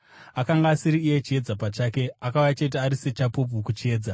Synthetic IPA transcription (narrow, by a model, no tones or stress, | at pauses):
akaŋɡaːsiɾiːje̞t͡ʃie̞d͡zapat͡ʃaːke̞akaujat͡ʃe̞t̬iaɾise̞t͡ʃapop̬ukut͡ʃie̞ːd͡za